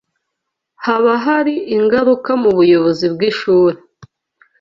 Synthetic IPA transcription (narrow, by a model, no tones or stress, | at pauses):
haβaɦaɾiʔiŋɡaɾukamuβujo̞βo̞zibɡiʃuːɾe